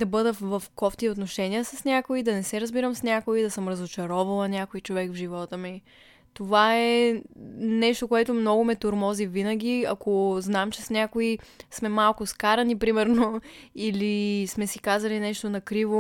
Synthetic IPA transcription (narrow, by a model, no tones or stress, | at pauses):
d̪ɐbɤd̪əvɐfkɔft̪iot̪noʃɛniəsəsnʲakoid̪ɐnɛsɛɾəzbiɾəmsnʲakoid̪ɐsɤmɾɐzot͡ʃɐɾɔvɐlˠənʲakoit͡ʃovɛkvʒivɔt̪əmi | t̪ovaɛ | nɛʃt̪okoɛt̪omnɔɡomɛt̪oɾmɔzivinəɡ̟ʲiɐ̰koznamt͡ʃɛsnʲakoismɛmalˠkʊskaɾɐnipɾimɛɾnoilismɛsikazɐlinɛʃt̪onɐkɾivo